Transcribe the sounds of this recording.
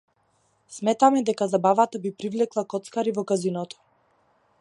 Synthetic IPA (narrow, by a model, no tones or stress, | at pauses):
smɛt̪amɛd̪ɛkazabavat̪abipɾivlɛklˠakɔt̪skaɾivɔkazinɔt̪ɔ̥